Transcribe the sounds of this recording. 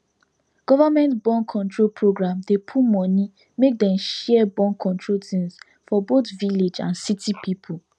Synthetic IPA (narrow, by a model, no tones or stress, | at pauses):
ɡ̥ɔvamɛ̃ntbɔ̃nkʰɔ̃ntɹolpʰɹoɡɹãmdepʰumɔni | mek̚dɛ̃mʃɛbɔ̃nkʰɔ̃ntʰɹoltĩns | fɔbotviled͡ʒã̰nsitʰipipʰu